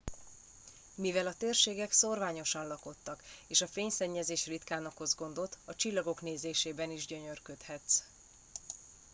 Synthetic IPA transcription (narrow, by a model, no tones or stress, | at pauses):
mivɛlɒt̪eːrʃeːɡɛkso̞rvaːɲo̞ʃɒnlɒko̞t̪ːɒkeːʃɒfeːɲsɛɲːɛzeːʃrit̪kaːnokho̞zɡo̞nd̪o̞t̪ːɒt͡ʃilːɒɡo̞kneːzeːʃeːbɛniʒɟø̞ɲørkøt̪hɛt̪s